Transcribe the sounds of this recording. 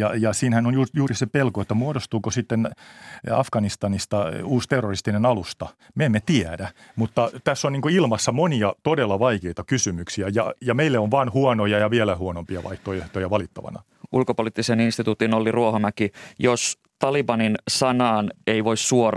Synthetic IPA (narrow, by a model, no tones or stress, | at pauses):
jɑjɑsiːnhænonjuːjuːrisepelkoet̪ːæmuodost̪uːkosit̪ːen | ɑfɡ̥ɑnist̪ɑnist̪ɑuːst̪erːorist̪inenɑlust̪ɑ | meemːet̪iædæ | mut̪ːɑt̪æsːoniːŋkoilmɑsːɑmoniɑt̪odelːɑʋɑikeit̪ɑkysymyksiæjɑ̰jɑmeilːeoʋʋɑːnhuɔnojɑjɑʋiælæhuonompiɑ̰ʋɑ̰iht̪oeht̪ojɑʋɑlit̪ːɑʋɑ̰nɑ̰ | ulkopolit̪ːiseninst̪it̪uːt̪inolːiruohomækijos | t̪ɑlibɑninsɑnɑːneiʋoissuor